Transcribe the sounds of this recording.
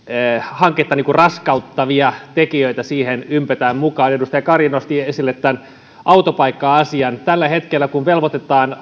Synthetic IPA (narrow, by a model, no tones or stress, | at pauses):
hɑŋket̪ːɑniːkurrɑskɑut̪ːɑʋiɑt̪ekiøit̪æsiːhenympøt̪æːmmukɑːnedust̪ɑjɑkɑrjinost̪iesilːet̪t̪ːæn | ʔɑut̪opɑikːɑɑsiɑnt̪ælːæhe̞t̪kelːækuʋʋelʋot̪et̪ɑːn